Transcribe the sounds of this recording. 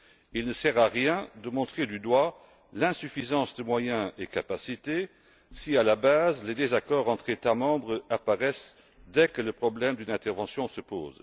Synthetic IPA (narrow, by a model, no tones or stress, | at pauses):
ilnəsɛʁaʁjɛ̃d̪əmɔ̃t̪χed̪yd̪wa | lɛ̃syfizɑ̃sd̪əmwajɛ̃ekapasit̪e | sialabazled̪ezakɔʁɑ̃t̪χet̪amɑ̃bʁəapaʁɛs | d̪ɛkələpχɔblɛmd̪ynɛ̃t̪ɛʁvɑ̃sjɔ̃səpo̰ːz